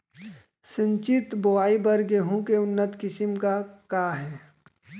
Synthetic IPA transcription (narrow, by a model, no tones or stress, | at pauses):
sə̃ɲt͡ʃɪt̪boaːibɐɾɡeɦũkeʊnːət̪kɪsɪmkakaːɦɛː